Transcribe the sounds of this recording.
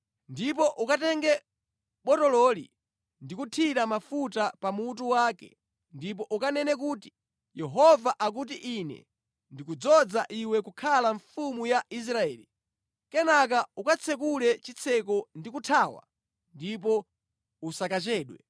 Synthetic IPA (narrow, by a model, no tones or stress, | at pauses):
ndip̬ɔʔukatɛŋɡɛ | ɓɔtɔlɔlḭ | ndikutʰiɾamafutapamutuwaːkɛ̰ | ndip̬ɔʔukanɛnɛk̬uti̥ | jɛɦɔvaʔak̬ut̬iʔinɛ̰ | ndikud͡zɔd͡zaʔiwɛkukʰalaɱfumujaʔis̬ɾaɛːli | kɛnak̬aukat͡sʰɛk̬ulɛt͡ʃit͡sʰɛk̬ɔndikutʰaːwa̰ | ndip̬ɔ | usakat͡ʃɛːɗwɛ